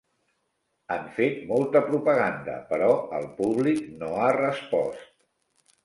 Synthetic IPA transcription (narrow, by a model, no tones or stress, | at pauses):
aɱfet̪molˠt̪əpɾupəɣ̞and̪ə̰pəɾɔəlˠpuβliknoarəspɔ̰st̪